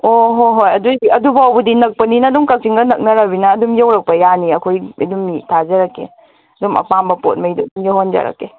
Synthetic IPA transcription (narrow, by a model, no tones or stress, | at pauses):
oɦoɦojɐduiɐdubawbudinɐk̚pɐninɐːdumkɐk̚siŋɡɐnɐk̚nɐɾɐbinɐːdumjawɾɐk̚pɐjaniɐkʰojḭdumːitʰazɐɾɐkːḛ | ɐdumɐ̰pambɐpot̚mɐjdudumjowhond͡ʒɐ̰ɾɐ̰kːe